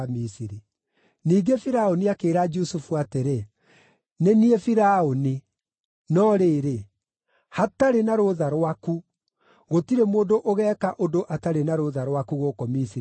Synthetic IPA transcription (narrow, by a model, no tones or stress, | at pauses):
misiɾi | niːɡefiɾaoniakeːɾad͡ʒusufuateɾe | neniefiɾaoni | nɔɾeːɾe | hataɾenaɾoðaɾwaku | ɣotiɾemoːdoʔoɣɛːkaʔodoʔataɾenaɾoðaɾwakuɣoːkɔmisi